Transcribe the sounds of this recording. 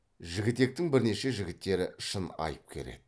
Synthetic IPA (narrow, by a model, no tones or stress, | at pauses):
ʒɪɡʲɪt̪e̞k̚t̪ɪŋbɪɾne̞ʃe̞ʒɪɡʲɪt̪ːe̞ɾɪɪʃənɑ̰jəp̚kʲʰe̞̰ɾe̞̰d̪ɪ